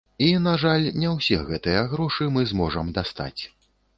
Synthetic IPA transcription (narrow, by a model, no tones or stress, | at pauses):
inaʐalʲnʲɛwsʲɛɣɛt̪ɨjɐɣɾɔʂɨmɨzmɔʐɐmd̪ast̪a̰t͡sʲ